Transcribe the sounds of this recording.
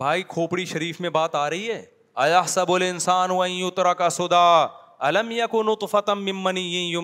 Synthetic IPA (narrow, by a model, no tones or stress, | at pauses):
bʱaːikʰoːpɽiʃɐɾiːfmẽbaːt̪aːɾɐɦiɦɛː | ɐjɐɦsɐbʊlɪnsaːnʊɐ̃jʊt̪ɾɐkɐsʊd̪aː | ɐlɐmjɐkʊnʊt̪ˤfɐt̪ɐːɪmːɐnijɐ̃jʊ